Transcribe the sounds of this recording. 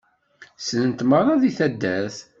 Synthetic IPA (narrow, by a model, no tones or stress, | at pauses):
sənənt̪mərˤɑðiθæd̪ːæθ